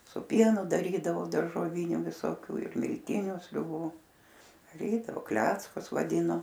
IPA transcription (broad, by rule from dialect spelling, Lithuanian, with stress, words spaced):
sʊ ˈpʲiɛnʊ dɐˈrʲiːdɐʋoː dɐrʒoːˈʋʲɪnʲʊ ʋʲɪsoːˈkʲuː ɪr mʲɪlʲˈtʲɪnʲʊ sʲrʲʊˈbuː dɐˈrʲiːdɐʋoː ˈklʲæːt͡skʊs ʋɐˈdʲiːnoː